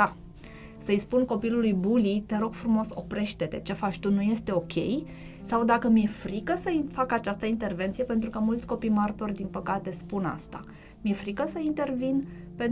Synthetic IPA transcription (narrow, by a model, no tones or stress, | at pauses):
a | səjspunko̞pilulujbulit̪e̞ɾo̞ɡ̥fɾumo̞so̞pɾe̞ʃt̪e̞t̪e̞t͡ʃe̞fat͡ʃt̪unuje̞st̪e̞o̞kʲe̞̰j | sawd̪akəmje̞fɾikəsəifakat͡ʃast̪əint̪e̞rvent̪sije̞pe̞nt̪ɾukəmult̪sʲko̞pijmart̪o̞rʲd̪inpəkat̪e̞spuna̰st̪a̰ | mje̞fɾikəsəint̪e̞rvin | pe̞n